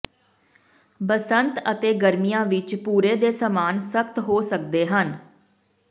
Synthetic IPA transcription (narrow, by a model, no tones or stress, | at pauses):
bəsənt̪ət̪eːɡəɾmijãːʋɪt͡ʃpuːɾeːd̪eːsəmaːnsəkt̪ɦoːsək̚d̪eːɦən